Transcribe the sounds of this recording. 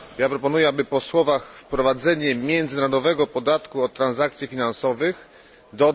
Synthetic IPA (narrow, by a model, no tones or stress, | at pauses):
japɾɔpɔnujɛabɘpɔswɔvaxfpɾɔvad̪zɛɲɛmʲjɛnd̪zɘnaɾɔd̪ɔvɛɡɔpɔd̪at̪kuɔt̪ːɾanzak̚t̪sʲjifʲinansɔvɘx | d̪ɔ